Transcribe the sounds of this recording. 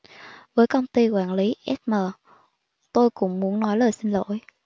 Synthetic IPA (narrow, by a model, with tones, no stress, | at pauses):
vəː˨˦jkə˧wŋ͡mt̪i˧kwaː˧˩nli˨˦ʔɛ˦˥t̚məː˨˩ | t̪o˧jkʊ̰˧˥ŋ͡mmu˨˦ənnɔ˨˦jləː˨˩jsï˧ŋ̟lo̰˧˨j